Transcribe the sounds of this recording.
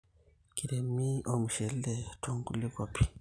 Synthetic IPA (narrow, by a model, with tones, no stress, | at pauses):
kiɾe˨mi˦o˨mu˨ʃe˨lle˨tʰo˦ŋɡu˦li˦ko˨pʰi˨